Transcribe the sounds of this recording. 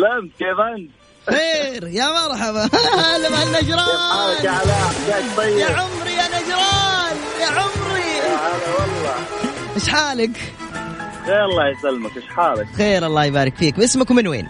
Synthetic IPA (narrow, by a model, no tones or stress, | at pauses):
lamt̪keːfant̪ | xeːɾjamɑɾˤħɑβɑalamanːad͡ʒɾˤɑaalkaʕlaɡaːʃd̪ˤɑjːjaʕʊmɾijanad͡ʒɾˤɑːnjaʕʊmɾiaalawɑlːɑːʔɪʃħaːlɪk | ɣeːɾɑlˤːɑːjɪsalːmakʔɪʃħaːlɪkxeːɾʔɑlˤːɑːjbaːɾˤɪkfiːkmʔɪsmakwmɪnwḛːn